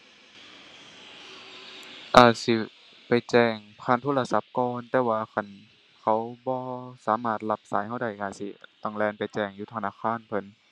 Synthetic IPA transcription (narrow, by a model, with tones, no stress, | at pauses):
ʔaː˧˩si˧˦ | pa˨jt͡ɕɛː˧˩ŋpʰaː˧˥˨nt̪ʰoː˧˥˨la˧sa˧˦p̚kɔː˧nt̪ɛː˧waː˧kʰa˧˩˨n | kʰa˧˦˩wbɔː˧saː˨˦maː˧˩t̪̚la˧p̚sa̰ː˨˦jha˧˩wda˧˩jkaː˧˩sḭ˧˦t̪a˧˩ŋlɛː˧˩˨npa˨˩jt͡ɕɛː˧˩ŋjuː˧˩t̪ʰa˧naː˧˥˨kʰaː˧˥˨npʰɤ˧˥˨n